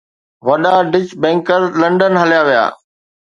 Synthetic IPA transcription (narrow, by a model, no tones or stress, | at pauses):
ʋɐɗaɖɪt͡ɕbɛ̃ːŋkəɾlɐ̃ɳɖənɦəlijaːʋija̰ː